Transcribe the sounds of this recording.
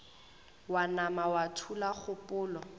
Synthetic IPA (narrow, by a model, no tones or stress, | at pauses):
wanamawatʰulaχʊpʼʊːlɔ